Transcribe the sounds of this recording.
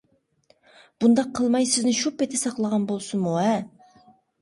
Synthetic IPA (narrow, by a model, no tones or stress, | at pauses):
b̥und̪ɑqʰːəlˠmɑjsɪznɪʃupːɪt̪ʰɪsɑqlˠəʁɑnbolˠsumuɛ